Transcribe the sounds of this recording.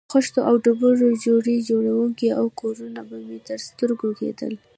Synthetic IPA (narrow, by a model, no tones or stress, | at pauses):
xʊʃt̪oʔawɖʊbəʒod͡ʒoɽid͡ʒoɽawuŋkiawkoɾunabamet̪əɾst̪əɾɡokḛd̪ə̰l